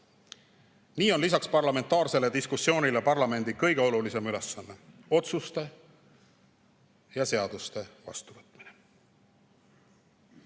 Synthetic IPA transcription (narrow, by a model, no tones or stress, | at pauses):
niːo̞nlisɑkspɑrlɑme̞nt̪ːˑɑːrse̞le̞d̪̥iskusːjo̞ːnʲilepɑrlɑme̞nd̪ikɤjɡ̥e̞o̞lulise̞myle̞sːɑnːe̞o̞t̪sust̪e̞ | jɑse̞ɑd̪̥ust̪e̞vɑ̰st̪uvɤt̪ːˑmine